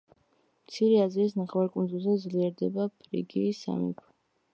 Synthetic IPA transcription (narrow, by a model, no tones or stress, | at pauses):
mt̪sʰiɾɛaziːs̬naχwaɾkʼund̪zulˠzɛd̪zliɛɾd̪ɛbapʰɾḭɡiːsa̰mḭkʰwɛ